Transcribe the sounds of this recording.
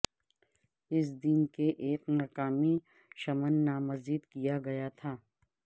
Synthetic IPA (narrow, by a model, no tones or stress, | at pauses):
ɪs̬d̪inkeʔeːknaːqaːmi | ʃɐmənːaːmɐziːd̪kijaɡɐjat̪ʰaː